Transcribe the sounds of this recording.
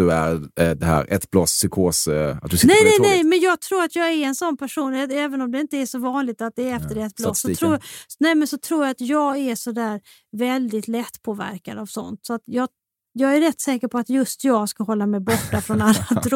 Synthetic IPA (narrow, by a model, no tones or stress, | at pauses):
ɵæ̰ɾd̪ɛhæ̰ːɾɛ̰t̪b̥lɔsːʏkʰoːsa̰t̪̚d̪ɵsnɛjnɛnɛjmɛnjɑːɡ̚t̪ʰɾuːɾat̪jɑːɡɛɾɛnsɔnːpʰæʂuːnɛɛːvənɔmd̪ɛɪnt̪əæʂɔvɑːnlɪɡ̚t̪at̪̚d̪ɛɾɛft̪əɖɛɛt̪̚blɔsːɔt̪ʰɾuːnɛmɛnsɔt̪ʰɾuːɾjaat̪jɑːɡæʂɔd̪æːɾ | vɛld̪ɪt̪lɛt̪ːpʰoːvæ̰ɾka̰d̪avsɔ̰nt̪sɔat̪jɑː | jɑːɡæɾɛt̪ːsɛːkəɾpʰɔat̪jɵst̪ʰjɑːɡskahɦɔlːamɛjbɔʈːafɾɔnalːaɾ